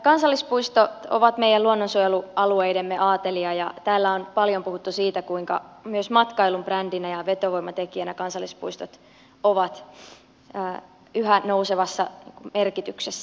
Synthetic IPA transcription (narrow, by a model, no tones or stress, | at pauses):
kɑnsɑlːispuist̪ot̪o̰ʋɑt̪meijæluonːonsujeluɑlueidemːeʔɑːt̪eliɑjɑt̪æːlːæonpɑljompuhut̪ːusiːt̪ækuiŋkɑ̰myøsmɑt̪kɑilumprændinæjɑʋet̪oʋoimːɑt̪ekiænækɑnsɑlːˑispṵist̪ot̪ | oʋɑt̪ː | yɦænouseʋɑsːɑnḭːŋkummerkit̪yksesːæ